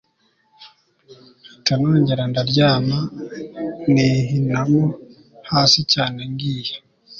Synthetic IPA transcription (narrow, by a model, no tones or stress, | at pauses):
itanoːɲɟeɾandaɾɟaːma | niɦinamo | haːsicaːneŋɡiːje